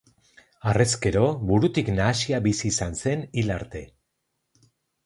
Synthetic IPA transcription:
are̞ske̞ɾo̞βuɾut̪iknaːsiaβisiːsanse̞nilaɾt̪e̞

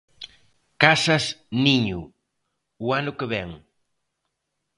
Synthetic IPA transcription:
kasɐsniɲʊ | ʊanʊkeβɛŋ

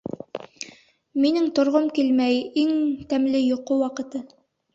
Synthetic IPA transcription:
minɘŋt̪ŏɾʁomkilmæjiŋt̪æmlɘjŏqowɑqɤ̆t̪ɤ

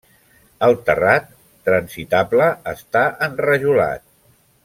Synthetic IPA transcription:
əlˠt̪ərat̪ː | ɾənsit̪abləəst̪aʔənrəʒula̰t̪̚

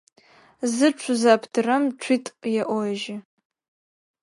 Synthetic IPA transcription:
zɨʈ͡ʂʷʰzapʰdɨramʈ͡ʂʷʰitʼjaʔoʒɪ

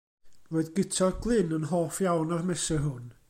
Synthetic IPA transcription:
roːɨðɡɪtʰɔɡlˠɪnənɦoːfjawnarmɛsɛɦʊn

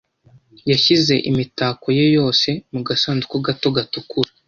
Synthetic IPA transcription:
jaçize̞ʔḭmitaːkojojo̞ːse̞muɡasaːnzukoɡatoɡatukuɾa

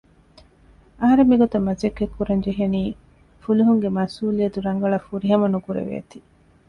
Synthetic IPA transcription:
ɐɦɐɾemːiɡot̪ɐmɐzekːekːuɾɐɲd͡ʒeɦeniː | fuliɦuŋɡemɐsuːliɐd̪uɾɐŋɡɐɭɐfuɾiɦɐmɐnukuɾḛʋḛːt̪i̥

